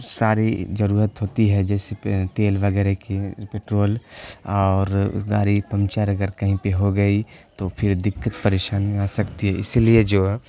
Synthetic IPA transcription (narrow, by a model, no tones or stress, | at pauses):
saːɾid͡ʒɐɾuːɾət̪ɦoːt̪iɦɛd͡ʒɛːset̪eːlʋɐɡɛːɾekepeːʈɾoːlɔːɾɡa̰ːɾipɐ̃mt͡ʃəɾɐɡəɾkɐɦĩpeɦoɡɐit̪opʰɪɾd̪ɪkːət̪pɐɾeːʃaːnaːsɐkt̪iɦɛɪsilied͡ʒoː